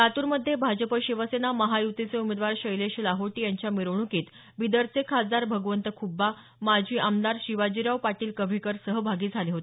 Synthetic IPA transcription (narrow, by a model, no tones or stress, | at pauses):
t̪at̪uːɾməd̪ʱːjebʱad͡ʑəpəɕiʋəsenaməɦajut̪it͡seumed̪ʋaɾɕəjleɕlaɦoʈiːjaɲt͡ɕjamiɾʋɳukiːt̪ | ʋid̪əɾt͡sʰekʰad͡zaɾbʱəɡʋənt̪əkʰubːa | mad͡ʑʱiːʔamd̪aɾɕiʋad͡ʑiɾaʋpaʈiːlkəbʱekəɾsəɦəbʱaɡiːd͡zʱaliɦot̪e